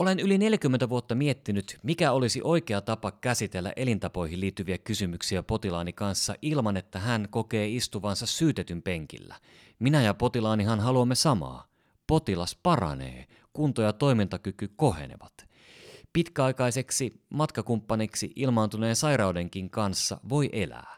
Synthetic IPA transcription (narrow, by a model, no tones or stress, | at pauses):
ʔolenyline̞ljækymːent̪æʋuot̪ːɑmie̞t̪ːinyt̪mikæo̞lisiʔo̞jkeɑt̪ɑpɑkæsit̪elːæ̰ʔe̞lint̪ɑpo̞jɦiliːt̪ːyʋiækysymyksiæpo̞t̪ilɑːnikɑnsːɑʔilmɑnet̪ːæɦænko̞ke̞ːist̪uʋɑnsɑssyːt̪et̪ympe̞ŋkḭlːæ̰ | minæjɑpo̞t̪ilɑːniɦɑnɦɑluɑmːesɑmɑ̰ː | po̞t̪ilɑspɑrɑ̰nḛː | kunt̪ojɑt̪o̞jmint̪ɑkykyko̞he̞̰nḛʋɑt̪ | pit̪kæɑjkɑjse̞ksimɑt̪kɑkumpːɑniksiʔilmɑːnt̪une̞ːnsɑiɾɑwde̞ŋkiŋkɑnsːɑ̰ʋo̞jʔe̞læ̰ː